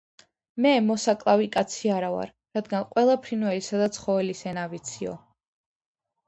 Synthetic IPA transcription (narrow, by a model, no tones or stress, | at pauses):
mɛmɔsakʼlˠavikʼat̪sʰiaɾava̰ɾ | ɾad̪ɡanqʼwɛlˠapʰɾinwɛlisad̪at̪sʰχɔvɛlisɛnavit̪sʰiɔ̰